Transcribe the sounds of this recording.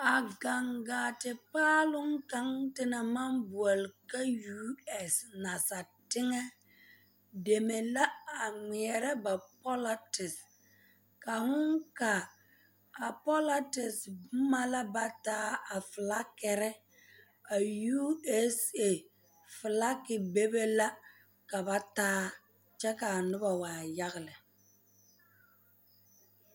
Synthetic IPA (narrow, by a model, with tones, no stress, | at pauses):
a˨ɡa˨ŋɡaː˨tɪ˨paː˦lʊ˦ŋka˦ŋtɪ˦na˨ma˦nbu˨ɔ˨lka˦juː˦ɛ˨sna˨sa˨tɪ˦ŋɛ˦ | de˨me˨la˦a˨ŋ͡mi˨ɛ˨ɾɛ˦ba˨pɔ˦la˦tɪ˨s | ka˨hʊ˦ŋka˨ | a˨pɔ˦la˦tɪ˨sbma˦la˦ba˦taː˦a˨fɪ˨la˦kɛ˨ɾɛ˦ | a˨juː˦ɛ˦se˦˨ | fɪ˨la˦kɪ˨be˦be˦la˦ | ka˨ba˦taː˦ | t͡ʃɛ˦ka˨a˨nʊ˦ba˨waː˨ja˦ɣɪ˨lɪ˨